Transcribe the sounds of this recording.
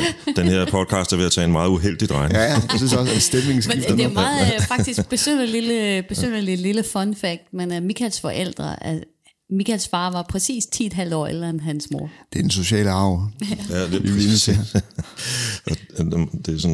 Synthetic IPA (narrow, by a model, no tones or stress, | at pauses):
d̥enheɐ̰pʰɒ̽d̥̚kʰɑ̈ːsd̥æɐʋe̝æt͡sʰɛ̰ːenmɑ̈ːð̞̩ˠuɦel̰d̥id̥ʁɑ̈ɪnsysɒsnsd̥emeŋsmed̥mːð̩ˠfɑ̈ɡd̥is̚b̥e̝sønəliləb̥e̝sønəlililəfɒnfæɡ̥̚d̥menæmikʰælsfɒ̽ʔel̰d̥ʁɐʔæ | mikʰælsfɑ̈ːʋɑ̈pʰʁɛsḭːst͡sʰḭːd̥ɦæl̰d̥əɒ̰ːḛl̥ɐenɦænsmo̝ɐd̥ed̥enso̝ɕɛ̰ːləɑ̈ʊ̰æd̥e | ɒd̥e̝sɔ̽n